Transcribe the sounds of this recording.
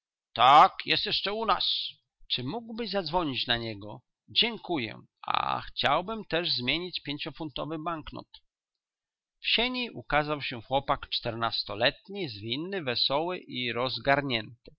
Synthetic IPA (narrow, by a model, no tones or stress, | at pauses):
t̪akjɛst̪jɛʂt͡ʂɛuna̰s | t͡ʂɘmuɡwbɘzad̪zvɔɲit͡ɕnaɲɛɡɔ | d͡ʑɛŋkujɛ̰ | ʔa̰xt͡ɕa̰wbɘmt̪ɛʐzmʲjeɲit͡ɕpʲjeɲt͡ɕɔfunt̪ɔvɘbaŋknɔ̰t̪ | fɕeɲiʔukazawɕɛxwɔpakt͡ʂt̪ɛɾnast̪ɔlɛt̪ɲizvʲinːɘvɛsɔwɘʔiɾɔzɡaɾɲɛnt̪ɘ